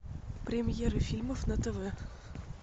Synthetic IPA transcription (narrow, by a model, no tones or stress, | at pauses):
pɾʲɪmʲjeɾɨfʲilʲməfnət̪ɛvɛ